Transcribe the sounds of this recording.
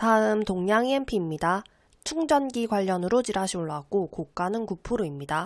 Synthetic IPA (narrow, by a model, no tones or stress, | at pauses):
taɯmtoŋɲaŋienpʰimɲida | t͡ɕʰuŋd͡ʑʌnɡiɡwaʎːʌnɯɾot͡ɕiɾaɕʰiuɭːaɡ͈okok͈anɯnkupʰuɾoimɲida